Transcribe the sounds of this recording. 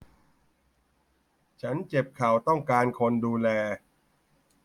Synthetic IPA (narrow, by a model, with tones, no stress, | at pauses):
t͡ɕʰa˦˥nt͡ɕe˨˩p̚kʰa˨˩wt̪ɔ˥˩ŋkaː˧nkʰo˧nduː˧lɛː˧